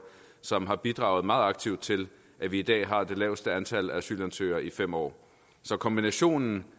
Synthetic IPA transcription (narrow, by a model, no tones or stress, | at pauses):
sɒ̽mɦɑ̈b̥id̥ʁɑ̈ʊð̞̩ˠmɑ̈ːð̩ˠɑ̈ɡ̥̚t͡sʰiʊ̰d̥t͡sʰe̝l | ʔæʋiːd̥ɛ̰ːɦɑ̈d̥e̝lɛ̰ːʊsd̥əænt͡sʰæl̰ææsy̰lænt͡sʰø̰ːɐʔifem̰ɒ̰ː | sɒ̽kʰɒ̽mb̥inæɕo̝̰ːnn̩